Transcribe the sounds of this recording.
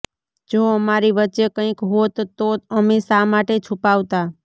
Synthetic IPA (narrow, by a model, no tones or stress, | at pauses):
d͡ʒoəmaɾiʋətːt͡ʃekə̃ĩkɦot̪oəmesamaʈet͡ʃʰupaʋt̪a